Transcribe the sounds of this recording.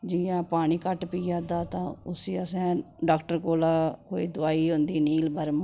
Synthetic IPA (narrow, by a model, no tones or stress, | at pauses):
d͡ʒijãːpaːɽ̃iːkəʈpiːaːd̪aːt̪ãːʊsiːəsɛ̃ː | ɖaːkʈəɾkoːlaːkoːiːd̪ʊaːiːɦʊ̃nd̪iːniːlbəɾm